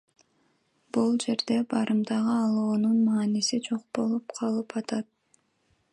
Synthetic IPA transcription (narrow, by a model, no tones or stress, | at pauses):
bulˠd͡ʒe̞ɾd̪e̞bɑɾɯmd̪ɑʁɯɑlˠoːnunmɑːnisid͡ʒo̞q̚bo̞lˠupqʰɑlˠɯpɑt̪ɑt̪̚